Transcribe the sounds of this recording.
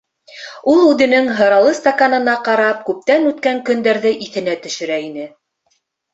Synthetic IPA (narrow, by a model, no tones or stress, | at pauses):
ulˠʉðɘ̆nɘŋɦɤ̆ɾɑlˠɤst̪akanɤ̆nɑqɑɾɑp̚kʉp̚t̪ænʉt̪kæŋkɵ̆nd̪æɾðɘʔiθɘ̆næt̪ɵ̆ʃɘ̆ɾæinɘ